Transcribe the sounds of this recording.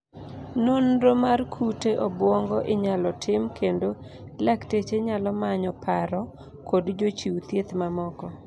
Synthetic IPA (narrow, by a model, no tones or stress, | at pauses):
nonɾomarkʰuteʔɔbwɔŋɡɔʔɪɲalɔtʰɪmkʰendo | laktet͡ʃeɲalɔmaɲɔpʰaɾɔ | kodd͡ʒot͡ʃiwt̪jet̪mamɔkɔ